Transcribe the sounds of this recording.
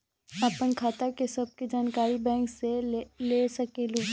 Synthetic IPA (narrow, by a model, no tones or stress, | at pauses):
apənkʰaːt̪akesɐb̚ked͡ʒaːnkaːɾibɛ̃ːŋkselesɐkeluː